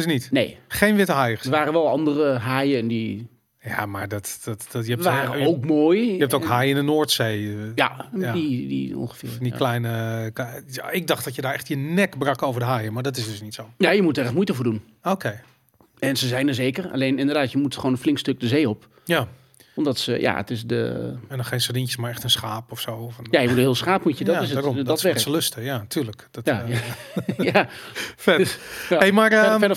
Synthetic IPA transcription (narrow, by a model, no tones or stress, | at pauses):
snitnḛjχejnʋɪtəɦajədəʋaːɾəʋɛlˠɑndərəɦaːjəndi | ja̰maːɹdɔttjəɛʋaːɾəowkmoːjɛptokhajɪndənoːɹtsejja̰didḭõ̰nχəfɪ̰ːdḭklɛjnə | ɪɡ̚dɑχt̚d̥ɔtjədaːɹɛχtjənɛkbrɑkowvəɹdəɦaːjəmaɹdɔtɪsdɵsnitsowjajəmutəɛxtmujtəfoːdun | oːkʰej | ɛnsəzɛjnəzeːkəra̰leːnɪndərdaːtjəmutχoːnənflɪŋkstøk̚dəzeːop | ja | ʋɔndɔtsəja̰ə̰tɪsdə̰ɛndɔxejnsədinjəsmaɹɛxtənsxaːpɔfsofnjajəmutənɦiːlˠsχaːpmutjədɔɪsədɔsɛsəløstəjatʰyːrləkdɔjajajafɛtahejmarfɛ